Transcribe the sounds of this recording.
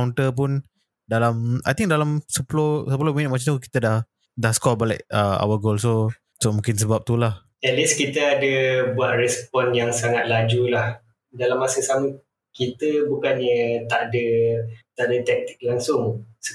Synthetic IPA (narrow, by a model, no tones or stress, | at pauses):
wnt̪əp̬ʊn | dalama̰jt̪ĩŋkdalamsəpulosəpəlominɪt̪̚mat͡ʃauki̥t̪ədah | dahskɔbalɛ̰k̚əa̰wəɡols̬o | somũŋkɪns̬əbap̚t̪ulah | ɛt̪̚liskit̪əadəbuaʔ̪̚rɛspɔnjaŋsaŋat̪̚lad͡ʒulah | dalamːasəsamə | kit̪əbukanɲət̪aʔdət̪aʔdət̪ɛk̚t̪i̥k̚laŋsʊŋsə